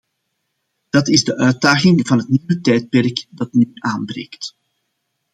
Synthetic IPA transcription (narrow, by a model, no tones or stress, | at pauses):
d̥ɑtɪzdəʔœːt̚daːɣɪŋvɑnɦətniwətɛjt̚pɛrkdɑtnyʔaːnbɾḛːjkt